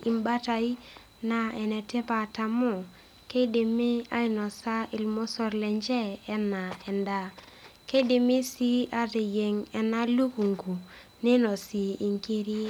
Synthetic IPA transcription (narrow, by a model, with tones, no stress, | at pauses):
i˨mba˦ta˨i˦ | na˨ɛ˨nɛ˨te˦pa˨ta˨mo˦˨ | ke˦de˨me˦a̰˦i˨nɔ˨sa˦ɪ˨lmo˦sɔ˦ɾlɛ˨ɲd͡ʒɛː˦na˨ɛ˨nda˦ | ke˦de˨mi˦si˦a˦te˨je˨ŋɛ˨na˦lu˦ku˨ŋɡu˨ | nɪ˦nɔ˨si˨i˨ŋki˦ɾi˦